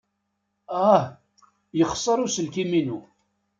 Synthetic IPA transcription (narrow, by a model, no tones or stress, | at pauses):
æh | jəχsˤːəɾˤusəlkiminu